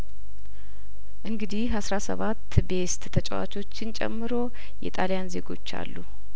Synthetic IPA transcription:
ʔɨŋɡɨd̪ihasɾasəβat̪ːbe̞st̪t̪ʰət͡ʃʼɛwa̰t͡ʃo̞t͡ʃːɪnt͡ʃʼɛ̰mːɨɾo̞ | jɛ̰t̪ʼalijanze̞ɡo̞̰t͡ʃːa̰lːu

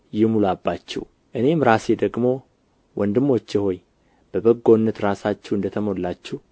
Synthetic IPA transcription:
jɪmulabːat͡ʃːɛ̰w | ʔɨne̞mɾase̞d̪əɡmo̞ | wʔɔnd̪ɨmːo̞t͡ʃːjɪho̞j | b̥əbəɡːo̞nːət̪ɾasat͡ʃːɛwɨnd̪ət̪ʰəmo̞lːat͡ʃːɛh

